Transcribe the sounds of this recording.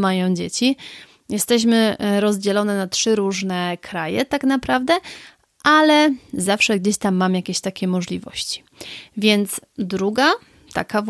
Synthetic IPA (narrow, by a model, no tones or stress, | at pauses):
majɔ̃w̃d͡ʑet͡ɕi | jɛst̪ɛɕ̬mɘɾɔzd͡ʑɛlɔnɛnatʂɘɾuʐnɛkʰɾajɛt̪aknapɾavd̪ɛ | ʔalɛzafʂɛɡd͡ʑeɕt̪amːamjakʲeɕt̪akʲɛmɔʐlʲivɔ̰ɕt͡ɕi̥ | vʲjɛnt̪sd̪ɾuɡa | t̪a̰kav